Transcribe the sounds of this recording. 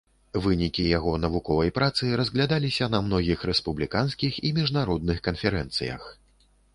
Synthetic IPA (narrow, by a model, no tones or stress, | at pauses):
vɨnʲikʲijaɣɔnɐvukɔvɐjpɾat̪sɨɾɐzʲɣlʲad̪alʲisʲɐnɐmnɔɣʲixɾɛspublʲikanskʲiximʲiʐnaɾɔd̪̚nɨxkɐnfʲɛɾɛnt̪sɨ̰jɐ̰x